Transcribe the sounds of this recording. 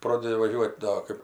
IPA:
ˈproːdʲɛdʲɪ ʋɐˈʒʲuɔtʲ ˈdoː ˈkɜp

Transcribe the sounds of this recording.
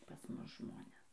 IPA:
pɐs ˈmʊs ˈʒmoːnʲɛs

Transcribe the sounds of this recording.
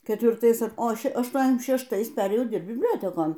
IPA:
kʲɛtʲʋʲɪrˈtɐɪs oː ˈʃʲɛ ɐʃˌtuɔnʲɛzʲˈdʲæːʃʲɪm ʃʲɛʃˈtɐɪs ˈpʲæːrʲeːjɛʊ ˈdʲɪrpt bʲɪbʲˈlʲoːtʲɛkoːn

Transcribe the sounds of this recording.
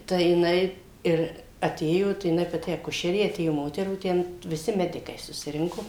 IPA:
tɐɪ jɪˈnɐɪ ˈɪr ɐˈtʲeːjoː tɐɪ jɪˈnɐɪ pɐˈtʲɪ ɐˈkʊʃʲɛrʲeː ɐˈtʲeːjoː ˈmoːtʲɛruː ˈtʲɛn ʋʲɪˈsʲɪ ˈmʲæːdʲɪkɐɪ sʊsʲɪˈrʲɪŋkoː

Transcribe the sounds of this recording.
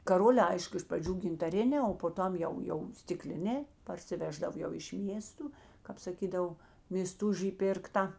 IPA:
kɐˈroːlʲɛː ˈɐɪʃkʊ ɪʃ prɐˈd͡ʒʲuː ɡʲɪntɐˈrʲɪnʲɛː oː poː ˈtɐm jɛʊ jɛʊ sʲtʲɪˈklʲɪnʲɛː pɐrʲsʲɪˈʋʲæːʒdɐw jɛʊ ɪʃ ˈmʲiɛstʊ kɑːp sɐˈkʲiːdɐw mʲeːsˈtʊʒʲiː ˈpʲɪrktɐ

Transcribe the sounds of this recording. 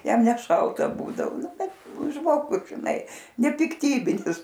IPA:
ˈjɛm nʲɛˈʃɐlˠtɐ ˈbuːdɐʋoː ˈnʊ ˈbʲɛt ˈʒmoːɡʊs ʒʲɪˈnɐɪ nʲɛpʲɪkˈtʲiːbʲɪnʲɪs

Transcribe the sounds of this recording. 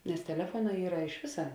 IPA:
nʲɛs tʲɛˈlʲæːfuɔˌnɑː ˈiːrɐ ɪʃ ˈʋʲɪsɐ

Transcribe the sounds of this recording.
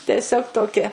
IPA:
tʲɛˈsʲoːk toːˈkʲɪ

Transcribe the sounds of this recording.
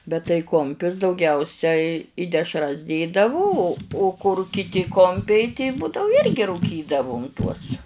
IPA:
bʲɛt tɐɪ ˈkʊmʲpʲʊs dɐʊˈɡʲɛʊsʲɛɪ ɪ dʲɛʃˈrɐs ˈdʲeːdɐʋʊ oː oː kʊr kʲɪˈtʲɪ ˈkoːmʲpʲɛɪ tʲɪ ˈbuːdɐʊ ˈɪrʲɡʲɪ ruːˈkʲiːdɐʋʊm tuɔs

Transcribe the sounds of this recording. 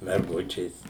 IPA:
mʲɛrˈɡʊt͡ʃʲeːs

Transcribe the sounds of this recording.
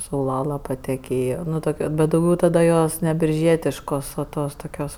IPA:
sɐʊˈlˠɑːlˠɐ pɐtʲɛˈkʲeːjoː ˈnʊ ˈtoːkʲ bʲɛt dɐʊˈɡʲɛʊ tɐdɐ ˈjoːs nʲɛ bʲɪrʲˈʒʲiɛtʲɪʃkoːs oː ˈtoːs toːˈkʲoːs

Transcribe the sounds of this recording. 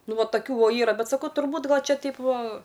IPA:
ˈnʊ ˈʋɐ tɐˈkʲuː ˈʋoː ˈiːrɐ ˈbʲɛt sɐˈkɐʊ tʊrˈbuːt ˈɡɐlʲ ˈt͡ʃʲɛ ˈtʲɛɪp ˈʋɐ

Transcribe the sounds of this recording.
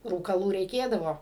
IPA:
ruːkɐˈlˠuː rʲɛɪˈkʲeːdɐʋoː

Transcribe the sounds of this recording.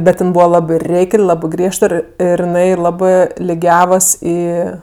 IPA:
ˈbʲɛt ˈjɪn ˈbuːʋɐ ˈlˠɑːbɜ ˈrʲɛɪkʲlʲ ˈlˠɑːbɜ ˈɡrʲiɛʃt ˈɪr ˈɪr jɪˈnɐɪ ˈlˠɑːbɜ lʲɪˈɡʲæːʋɐs ˈiː

